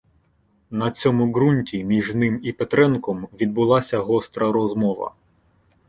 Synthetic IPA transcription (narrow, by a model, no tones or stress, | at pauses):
nɐt͡sʲɔmʊɣɾunʲtʲimʲiʒnɪmipet̪ɾɛnkɔmʋʲid̪̚bʊlˠɑsʲɐɦɔst̪ɾɐɾɔzmɔʋɐ̰